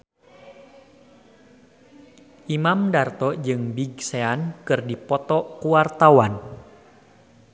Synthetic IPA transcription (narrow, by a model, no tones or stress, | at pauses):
ʔimamdart̪ɔd͡ʒɨŋbiɡseankɨrdipɔt̪ɔkuwart̪awan